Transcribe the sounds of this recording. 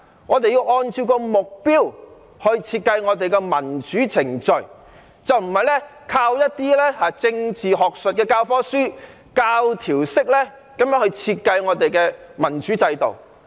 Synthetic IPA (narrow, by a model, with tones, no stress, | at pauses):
ŋɔː˨˧t̪e˨ji˧wʔɔː˧nt͡sʰiː˧wkɔː˧mʊ˨k̚piː˥w | hɵ˧ɥt͡sʰiː˧t̚kɐ˧jŋɔː˨˧t̪e˨jkɛː˧mɐ˨˩nt͡ʃyː˨˥t͡sʰɪ˨˩ŋt͡ʃɵ˨ɥ | t͡sɐ˨wm̩˨˩hɐ˨jlɛ˥ | kʰaː˧wjɐ˥t̚t̪iː˥lɛː˥haː˨t͡sɪ˧ŋt͡siː˨ɦɔː˨k̚sɵ˨t̚kɛː˧kaː˧wfɔː˥syː˥ | kaː˧wt̪ʰiː˨˩wsɪ˥k̚lɛː˥ | kɐ˨˥mjœː˨˥ŋhɵ˧ɥt͡sʰiː˧t̚kɐ˧jŋɔː˨˧t̪e˨jkɛː˧mɐ˨˩nt͡ʃyː˨˥t͡sɐ˧jt̪o̰˨˩w